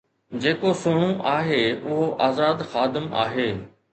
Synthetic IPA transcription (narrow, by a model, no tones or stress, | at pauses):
d͡ʑeːkosʊɽ̃ũʔaːɦeʊɦoʔaːzaːd̪xaːd̪ɪma̰ːɦeː